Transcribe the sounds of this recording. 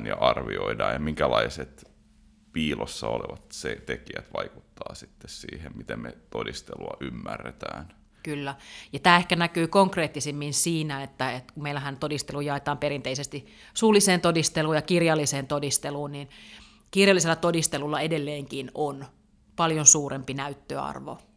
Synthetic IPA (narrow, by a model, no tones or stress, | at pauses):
njɑʔɑrʋioidɑːjɑmiŋkælɑiset̪ | piːlʔosːɑoleʋɑt̪set̪ekiæt̪ʋɑiku̥t̪ːɑːsit̪ːessiːhemmit̪emmet̪odist̪eluɑʔymːærːet̪æːn | kylːæjɑt̪æːehkænækyːkoŋkreːt̪ːisimːinsiːnæet̪ːæet̪kumeilːˑæhænt̪odist̪eluːjɑet̪ɑːmperint̪eisest̪i | suːlːˑiseːnt̪odist̪eluːjɑkirjɑlːiseːnt̪odist̪eluːnnin | kirjɑlːiselːæt̪odist̪elulːɑedelːeːŋkinon | pɑljonsuːrempinæyt̪ːøɑ̰rʋo̰